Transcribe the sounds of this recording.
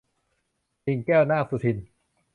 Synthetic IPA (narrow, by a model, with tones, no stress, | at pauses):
i˨˧˩ŋkɛː˥˩wnaː˥˩fu˨˩t̪hi˨˩n